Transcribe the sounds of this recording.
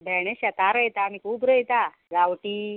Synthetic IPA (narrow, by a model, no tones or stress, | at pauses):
bʱɛɽ̃eɕjat̪aɾəjt̪aːmikuːbɾəjt̪a | ɡawʈi